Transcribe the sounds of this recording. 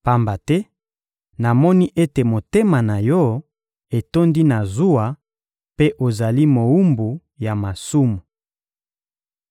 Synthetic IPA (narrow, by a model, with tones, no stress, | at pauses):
pa˦mba˨tɛ˦ | na˨mɔ˦ni˦ʔe˦te˨mo˨te˦ma˨na˨jɔ˦ | e˨to˦ndi˦na˨zu˦a˨ | pe˦ʔo˨za˨li˦mo˨u˦mbu˨ | ja˨ma˨su˦mu˨